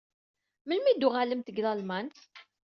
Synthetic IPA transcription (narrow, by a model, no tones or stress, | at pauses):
məlmid̪ʊʁaləmt̪əɡlælmænθ